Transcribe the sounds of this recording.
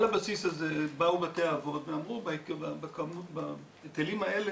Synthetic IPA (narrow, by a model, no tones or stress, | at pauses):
labasisazebaubat̪eaːvo̞d̪veamʁubaekabakamuba | et̪elimaele